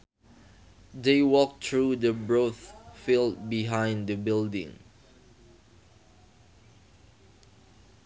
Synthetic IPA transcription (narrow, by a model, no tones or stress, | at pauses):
deɪwɔk̚tʰɹudəbɹoθfild̚biɦãɪ̃nd̪əbɪldɪ̰̃ŋ